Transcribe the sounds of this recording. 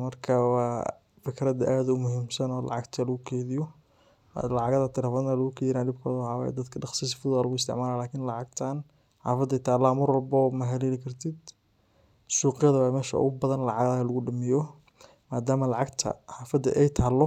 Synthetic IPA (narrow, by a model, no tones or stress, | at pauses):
mɐrkʰɐwɑː | fɪkʰɾɐd̪ʔaːðʊmʊɦimsɐnɔːlɑ̰ʕɑɡt̪ʰɐlɐɣʊkʰɛːðɪjɔ̰ | lɑʕɑɣɐðɐt̪ʰɪɾlɛːfɔðnalɐɣʊkʰɛːðɪnaːɖɪb̚kʰɔ̰ːðɐwħɑːwa̰ːj̰d̪ɐd̪kʰɐɖɑχsis̬fʊðaːlɐɣʊɪst̪ʰɪ̰ʕmaːlaːlaːkʰɪnlɑʕɑɡt̪ʰan | ħa̰ːfɐd̪ɛjt̪ʰaːlaːmʊrɔlbɔːmɐɦɛlɛːlɪkʰɐrt̪ʰɪd̪ | suːqɪjɐðɐwamɛːʃɐʊ̰ɣʊbɐðɐnlɑʕɑɣðalɐɣʊɖɐmɪjɔ | maːd̪aːmɐlɑʕɑɡt̪ʰɐ̰ħaːfɐd̪ɐ̰ʔɛjt̪ʰaːlɔ